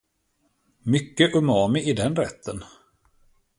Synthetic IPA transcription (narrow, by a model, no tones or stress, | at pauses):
mʏkːəʔɵmɑːmɪʔɪd̪ɛnɾɛt̪ʰːən